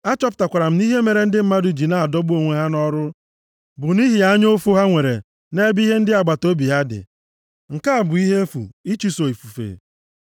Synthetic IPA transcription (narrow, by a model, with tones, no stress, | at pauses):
a˦t͡ʃɔ˦pʊ̥˨ta˨kʷa˨ɾa˨m̩˦ni˦ɦe˦me˨ɾe˨n̩˦dɪ˦m̩˨ma˦dʊ˨d͡ʒi˨na˦a˨dɔ˦ɡ͡bu˦o˨ŋʷe˨ɦa˦nɔ˦ɾʊ˦ | bʊ˨ni˦ɦi˨a˦ɲo˦fu˦ɦa˦ŋʷe˨ɾḛ˨ | ne˦bi˦ɦe˦n̩˦dɪ˦a˨ɡ͡ba˨to˦bi˨ɦa˦dɪ̰˨ | ŋ̩˨ka˦a˨bʊ˨i˦ɦe˦fṵ˨i˦t͡ʃi˦so˨i˨fu˨fḛ˨